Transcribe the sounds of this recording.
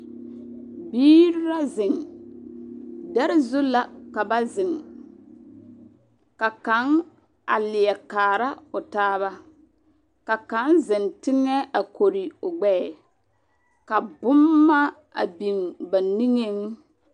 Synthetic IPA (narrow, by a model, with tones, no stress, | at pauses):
biː˦ɾɾa˦zɪ˨ŋ | dɛ˦ɾɪ˦zʊ˦la˨ka˨ba˦zɪ˨ŋ | ka˨ka˨˦ŋ | a˨lɪ˨ɛ˨kaː˨ɾa˦ʊ˨taː˦βa˦ | ka˨ka˨˦nzɪ˨ntɪ˦ŋɛ˦ʔa˨ko˨ɾɪ˨ʊ˨ɡ͡bɛː˦˨ | ka˨bʊ˦mːa˦ | a̰˨bi˨nba˨ni˦ŋe˦ŋ